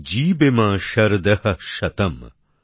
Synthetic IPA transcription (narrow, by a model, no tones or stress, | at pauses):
d͡ʒiːbemãːʃɐɾd̪ɐhɐʃɐt̪ɐm